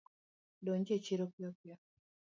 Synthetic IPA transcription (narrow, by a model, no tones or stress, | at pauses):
loːɲɟeːciɾokjokja